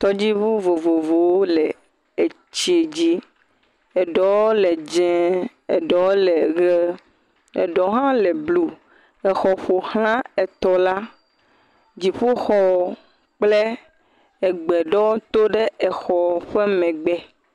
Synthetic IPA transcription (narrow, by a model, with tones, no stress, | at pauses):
t̪ɔ˦d͡ʑi˦βu˦vo˨vo˨vo˨wo˦le˨ | e˨ | t͡ɕi˦e˨d͡ʑi˦ | e˨ɖɔ˨wo˦le˨d͡ʒɛ̃˦ | e˨ɖɔ˨wo˦le˨ɡe˦ | ḛ˨ɖɔ˨ɦã˦lɛ˨blu˦ | ɛ˨xɔ˨ɸo˨hlã˦e˨t̪ɔ˨la˦ | d͡ʑi˨ɸu˦xɔ˦˨ | k͡ple˦ | e˨ɡ͡bɛ˨ɖɔ˦wo˦t̪o˦ɖe˦ɛ˨xɔ˨ɸe˦mɛ̃˨ɡ͡bɛ˦